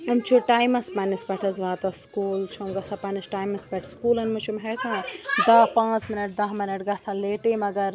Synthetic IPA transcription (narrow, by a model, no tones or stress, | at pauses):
ɐmt͡ʃʰuʈaːjmɐspɐnispɐʈʰɐsʋaːt̪ɐskuːlt͡ʃʰomɡɐsɐpɐnisʈaːjmɐspɐʈʰskuːlɐnmut͡ʃʰumɦekãːd̪aːpãːt͡smɪnɐʈ̚d̪aɦminɐʈɡɐsɐ̃leːʈimɐɡɐɾ